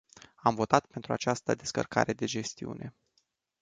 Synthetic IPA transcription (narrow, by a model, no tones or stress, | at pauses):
amvo̞t̪at̪pe̞nt̪ɾuat͡ʃast̪əd̪e̞skə̰rka̰ɾe̞d̪e̞d͡ʒe̞st̪iṵnʔe̞